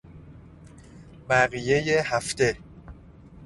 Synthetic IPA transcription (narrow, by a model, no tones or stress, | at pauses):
bæɣije̞jehæft̪e